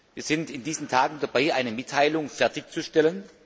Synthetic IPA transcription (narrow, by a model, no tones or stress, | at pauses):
viːɐz̥ɪntɪndiːzn̩tʰaːɡŋ̩dabaɪʔaɪnəmɪtʰːaɪlʊŋfɛɐtɪçt͡suʃtɛlən